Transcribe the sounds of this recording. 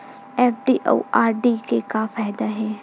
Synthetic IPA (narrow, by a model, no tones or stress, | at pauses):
ɛːfɖiːʔo̰ːaːɾɖikekafaːjd̪aɦɛː